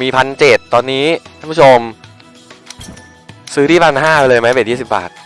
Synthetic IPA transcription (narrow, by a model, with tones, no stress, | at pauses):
miː˧pʰa˧nt͡ɕe˨˩t̪ːɔː˧nːiː˦˥kʰa˥˩pʰu˥˩o˧m | sɯː˦˥t̪ʰiː˥˩pʰa˧nɦaː˥˩pe˧lɤː˧jma˦˥jpe˧˩jiː˥˩si˨˩p̚ba̰ː˨˩t̪̚